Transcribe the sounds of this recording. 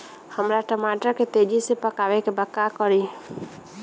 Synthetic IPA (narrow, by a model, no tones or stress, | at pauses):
həmɾaʈəmaʈəɾket̪ed͡ʒisepəkawekebəkːakɔɾi